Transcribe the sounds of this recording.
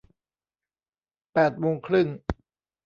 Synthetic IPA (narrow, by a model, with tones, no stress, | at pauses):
pɛː˨˩t̪̚moː˧ŋkʰɾɯ˥˩ŋ